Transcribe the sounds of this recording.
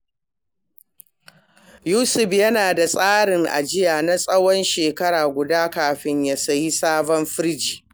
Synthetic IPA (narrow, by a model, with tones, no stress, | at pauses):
juː˦sʊ˨ɸjɐ˦naː˨da˨sʼaː˦ɽɪ˨ŋʔa̰˨d͡ʒɪ˦jaː˨na˦sʼɐ˦wɔ˦nʃeː˨kɐ˦ɽaː˨ɡʷʊ˨daː˦kaː˨ɸɪ˦ɲja˦sɐ˨ji˦saː˦bɔ˦mɸɪ˦ɾd͡ʒiː˨